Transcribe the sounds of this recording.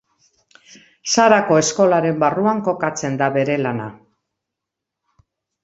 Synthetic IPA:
saɾako̞e̞sko̞laɾe̞mbaruaŋko̞kat͡se̞nd̪aβe̞ɾe̞lana̰

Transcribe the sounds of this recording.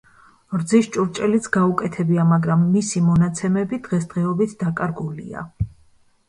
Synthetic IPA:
ɾd̪ziʃt͡ʃʼuɾt͡ʃʼɛlit̪sʰɡaukʼɛt̪ʰɛbiamaɡɾamːisimɔnat̪sʰɛmɛbid̪̥ʁɛsd̪̥ʁɛɔbit̪ʰd̪̥akʼaɾɡulḭa̰

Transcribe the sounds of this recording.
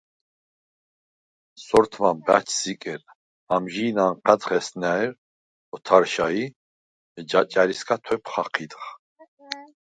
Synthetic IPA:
sɔɾt̪ʰvamba̰t͡ʃʰsikʼɛɾ | amʒiːnanqʰʼat͡sχɛsnaɛɾ | ɔt̪ʰaɾʃai | d͡ʒat͡ʃʼaɾiskʰat̪ʰwɛpʰχaqʰid̪χ

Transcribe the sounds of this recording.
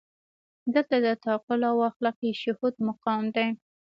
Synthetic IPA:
d̪əlt̪ad̪ət̪ɑqʊlawɑxlakiʃʊhud̪mʊqɑmd̪aj

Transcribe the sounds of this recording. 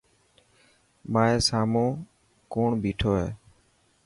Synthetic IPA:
maːeːsaːmõː | koːɳbiːʈʰoːɦeː

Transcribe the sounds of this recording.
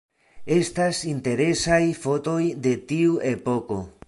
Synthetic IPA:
e̞stasinte̞ɾe̞sajfo̞to̞jde̞tiuʔe̞po̞ko̞

